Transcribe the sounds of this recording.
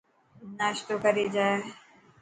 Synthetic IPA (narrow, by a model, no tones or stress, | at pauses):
naːʃt̪okɐɾid͡ʒaːe